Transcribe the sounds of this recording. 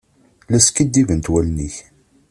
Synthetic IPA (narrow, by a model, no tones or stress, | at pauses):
læskid̪ːivənt̪wælniç